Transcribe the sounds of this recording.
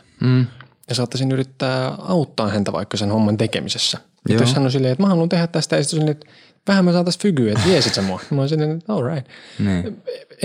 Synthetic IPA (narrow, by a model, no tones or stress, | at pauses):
m̩ː | jɑsɑːt̪ːɑsinyrit̪ːæːɑut̪ːɑːnhænt̪æʋɑ̰ikːɑsenhomːɑnt̪ekḛmḭsesːæ | ejossɑnːosilːeːet̪mæhɑlːunt̪ehæt̪t̪æst̪æisit̪ːosenːeet̪ | ʋæhæmːæsɑːnæst̪fyɡyet̪ʋiesit̪sɑmːoɑmɑnsilːeːnet̪olɹɑit̪nː